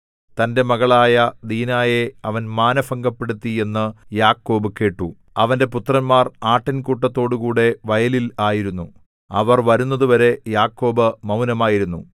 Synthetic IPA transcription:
t̪ɐnde̞mɐɣɐɭaːjɐd̪iːnaːjeɐʋɐnmaːnɐfɐŋɡɐpːe̞ɽut̪ːie̞nːɨjaːkːo̞ːbɨke̞ːʈːu | ɐʋɐnde̞put̪rɐnmaːraːʈːɐnkuʈːɐt̪ːo̞ːɽukuːɽe̞ʋɐjɐlilaːjiɾunːu | ɐ̰ʋɐrʋɐɾunːɐðuʋɐɾe̞jaːkːo̞ːbɨmɐwnɐmaːjiɾunːṵ

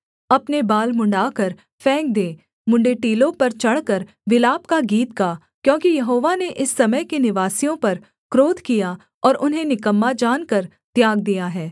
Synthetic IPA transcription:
ɐpnebaːlmʊ̃ɳɖaːkɐɾ | fɛ̃ːk̚d̪eː | mʊ̃ɳɖeʈiːlõpɐɾt͡ʃɐɽ̤kɐɾ | ʋɪlaːp̚kaɡiːt̪kaː | kjõːkijɐɦoːʋaneʔɪsːɐməjkenɪʋaːsijõpɐɾ | kɾoːd̪ʱkija | ɔːɾʔʊnɦẽnɪkəmːad͡ʒaːnkɐɾ | t̪jaːɡ̚d̪ijaɦɛː

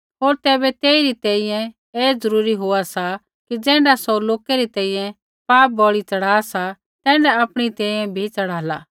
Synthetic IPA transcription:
ɦoːɾt̪ɛːbet̪eːiɾit̪ɛ̃ːĩjɛ̃ | eːd͡zɐɾuːɾiɦoasa | kid͡ʒɛ̃ːɳɖasoloːkeɾit̪ɛ̃ːĩjɛ̃ | paːp̚bɔɭit͡ʃɐɽ̤aːsa | t̪ɛ̃ːɳɖɛapɽ̃it̪ɛ̃ːĩjɛ̃bʱit͡sɐɽaːlaː

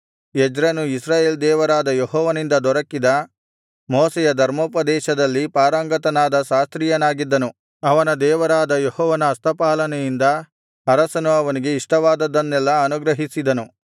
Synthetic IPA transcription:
ed͡ʒɾɐnuisɾaːjeːld̪ɛːʋɐɾaːd̪ɐjeɦɔːʋɐnind̪ɐd̪ɔɾɐkːid̪ɐ | moːsɛjɐd̪ʱɐɾmoːpɐd̪ɛːʃɐd̪ɐlːipaːɾɐŋɡɐt̪ɐnaːd̪ɐʃaːst̪ɾijɐnaːɡid̪ːɐnu | ɐʋɐnɐd̪ɛːʋɐɾaːd̪ɐjehɔːʋɐnɐːst̪ʰɐpaːlɐnɛjind̪ɐ | ɐɾɐsɐnuɐʋɐniɡe̞iʂʈɐʋaːd̪ɐd̪ːɐnːɛlːɐːnuɡɾɐɦisid̪ɐnu

